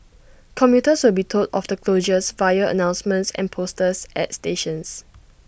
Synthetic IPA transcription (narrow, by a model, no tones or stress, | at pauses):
kʰɔ̃mjutəswɪlbitʰodɔ̰fdəkʰloʒəsvajəə̰nãw̃nsmə̃ntsɛ̰̃npʰostəsʔɛ̰tsteʃə̃ns